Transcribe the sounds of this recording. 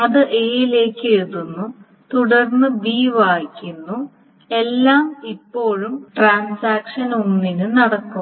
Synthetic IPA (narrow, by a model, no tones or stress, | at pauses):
ɐðɨʔeːjile̞ːkːeðunːu | t̪uɽɐrnːɨbiːʋaːjkʲːunːu | e̞lːaːmipːo̞ːɻumʈraːnsaːkʂɐnonːinɨnɐɽɐkːu